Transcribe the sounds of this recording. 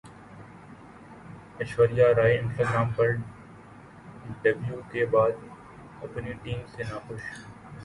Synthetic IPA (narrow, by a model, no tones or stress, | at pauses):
ɐʃwəɾɪjaːɾaːiɪ̃nsʈaːɡɾaːmpɐɾ | ɖɐbljukebaːd̪ | ɐpniʈiːmsenaːxʊʃ